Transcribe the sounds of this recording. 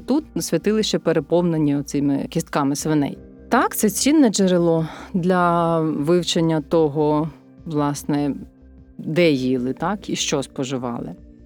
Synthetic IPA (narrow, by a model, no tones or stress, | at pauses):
t̪ut̪sʲʋʲɐt̪ɪlˠɪʃt͡ʃɛpeɾepɔwnenʲːiɔt̪sɪmɪ̰kʲist̪kɑmɪsʋɪnɛ̰j | t̪ɑkt̪sɛt͡sʲinːɛd͡ʒeɾɪlˠɔd̪lʲɐʋɪwt͡ʃenʲːɐt̪ɔɦɔ | ʋlˠɑsnɛ | d̪ɛjilˠɪt̪ɑkiʃt͡ʃɔspɔʒɪʋɑ̰lˠɪ̰